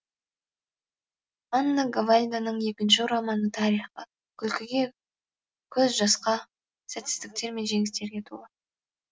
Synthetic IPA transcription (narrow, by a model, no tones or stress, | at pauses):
anːaɡavalʲd̪anəɴje̞kʲɪnʃ̬ɪɾɑmɑnət̪ʰɑɾiχə | kʲʰʏlkʲɪɡʲe̞ | kʲʰɵzʒɑsqɑ | sat̪ɪst̪ɪk̚t̪e̞ɾme̞nʒe̞ŋɪst̪e̞ɾɡʲe̞t̪ʰṵlˠɑ